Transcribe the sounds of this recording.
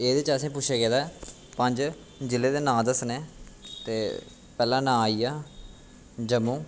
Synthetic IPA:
eːd̪eːt͡ʃəsĩːp̬ʊt͡ʃʃʰeːɡeːd̪aːɛ | pəɲd͡ʒ | d͡ʒɪleːd̪eːnãːd̪əsnẽːt̪eː | pɛːlãːnãːiːaː | d͡ʒəmũː

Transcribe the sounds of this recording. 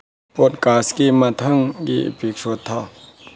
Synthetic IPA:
pɔt̚kaskimat̪ʰaŋɡḭpik̚sot̪ʰːa

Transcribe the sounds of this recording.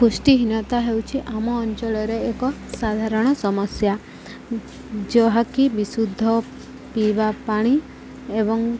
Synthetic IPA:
pusʈiɦinɔt̪aɦewt͡ʃʰiʔamɔːnt͡ʃɔɭɔɾeːkɔsad̪ʱaɾɔɽ̃ɔsɔmɔsja | d͡ʒɔɦakibisud̪ʱːɔ | pibapaɽ̃i | ebɔŋ

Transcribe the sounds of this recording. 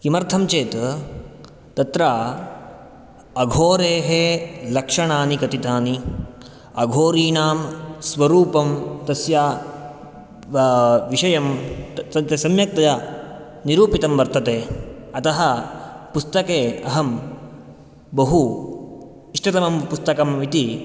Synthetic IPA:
kimɐɾt̪ʰɐmt͡ʃeːt̪ | t̪ɐt̪ɾaː | ɐɡʱoːɾeːɦelɐkʂɐɳaːnikɐt̪it̪aːni | ɐɡʱoːɾiːnaːmsʋɐɾuːpɐmt̪ɐsjaː | ʋiʂɐjɐmɐt̪ɐsɐmjɐk̚t̪ɐjɐ | niɾuːpit̪ɐmʋɐɾt̪ɐt̪eːɐt̪ɐɦɐpust̪ɐkeːɐɦɐm | bɐɦu | iʂʈɐt̪ɐmɐmpust̪ɐkɐmʋit̪i

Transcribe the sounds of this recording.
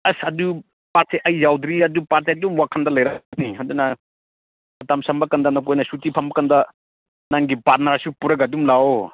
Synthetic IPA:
ɐsɐdu | pat̚seʔɐjzawd̪ɾiɐdupat̚seɐdumwakʰɐndɐlɐjɾɐniɦɐdunɐ | ɐtamsɐmbɐkɐndɐnɐk̬ojnɐsutipʰɐmɐkɐndɐ | naŋɡipat̚naɾsupuɾɐɡɐdumlaw

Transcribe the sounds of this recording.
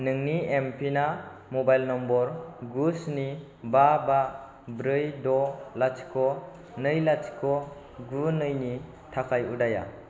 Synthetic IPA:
nɯŋniempʰinamobajlnɔmbɔɾɡusni | baba | bɾɯjdɔlat͡ʃʰi̥kʰɔ | nɯjlat͡ʃʰi̥kʰɔ | ɡunɯjni | tʰakʰajudaja̰

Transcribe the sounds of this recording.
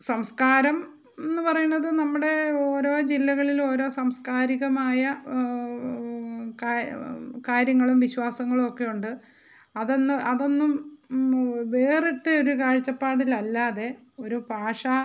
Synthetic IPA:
sɐmskaːɾɐm | e̞nːɨpɐrɐjunːɐðɨnɐmːuɽe̞o̞ːɾo̞ːd͡ʑilːɐɣɐɭilo̞ːɾo̞ːsɐmskaːɾiɣɐmaːjɐ | kakaːɾjɐŋːɐɭumʋiɕwaːsɐŋːɐɭumo̞kːe̞juɳɖɨ | ɐðonːɨɐðo̞nːum | ʋe̞ːriʈːɨo̞ɾukaːɻt͡ɕːɐpːaːɽilɐlːaːðe̞ | o̞ɾubʱaːʂɐ

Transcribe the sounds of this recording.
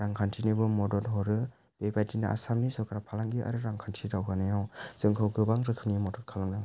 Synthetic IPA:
ɾaŋkʰantʰinibɯmɔdɔtɦɔɾɯ | b̥ebajtina̰ʔa̰samnisɔkʰɾapʰalaŋɡiʔa̰ɾɯɾaŋkʰantʰidawɡanajawz̥ɯŋkʰɯwɡɯbaŋɾɯkʰɯnimɔdɔtkʰalaŋnaw

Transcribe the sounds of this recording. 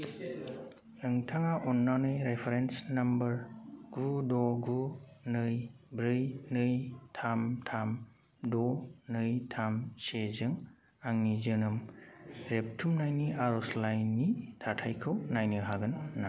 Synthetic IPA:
ɯŋtʰaŋaʔɔnːanɯjɾepʰeɾensnambɐɾɡ̥udɔɡunɯjbɾɯjnɯjtʰamtʰam | dɔnɯjtʰamsezɯŋ | aŋnizɯnɯmɾep̚tʰumnajniʔaɾɔslajnːitʰatʰajkʰɯwnajnɯɦaɡɯnːa

